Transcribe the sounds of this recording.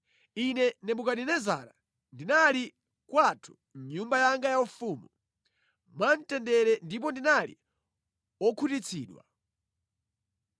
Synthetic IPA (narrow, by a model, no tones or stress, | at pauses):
inɛnɛɓukaɗinɛza̰ɾa | ndinali | kwatʰu̥ | ɲumbajaŋɡajaufuːmu | mantɛndɛɾɛndip̬ɔndinalḭ | ɔkʰutit͡sʰḭːɗwa̰